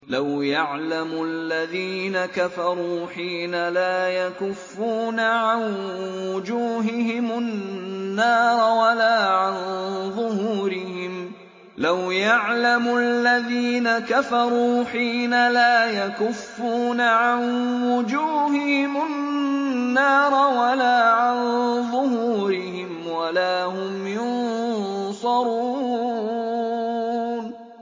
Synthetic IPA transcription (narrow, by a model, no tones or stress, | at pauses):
lawjaʕlamʊalːaðiːnakafɑɾˤuːħiːnalaːjakʊfːuːnaʕanwʊd͡ʒuːɦɪɦɪmʊː | ɑːɾˤwalaːʕanðˤʊhuːɾɪhɪm | lawjaʕlamʊʔalːaðiːnakafɑɾˤuːħiːnalaːjakʊfːuːnaʕanwʊd͡ʒuːhɪhɪmʊ | nːɑːɾˤwalaːʕanðˤʊɦuːɾɪhɪmwalaːɦʊmjʊn | sˤɑɾˤu | n